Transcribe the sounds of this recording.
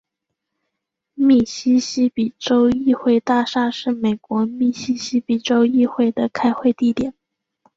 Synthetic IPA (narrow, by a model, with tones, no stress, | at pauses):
mi˨˩ɕi˥ɕi˥pi˨˩ʈ͡ʂo˥ʊi˥˧xwe˥˧ɪt̪a˥˧ʂa˥˧ʂɻ̩˥˩me˨˩ɪkwɔ˧˥mi˨˩ɕi˥ɕi˥pi˨˩ʈ͡ʂo˥ʊi˥˧xwe˥˩ɪd̪ə˩kʰa˥ɪxwe˥˧ɪt̪i˥˩t̪jɛ˨˩˦n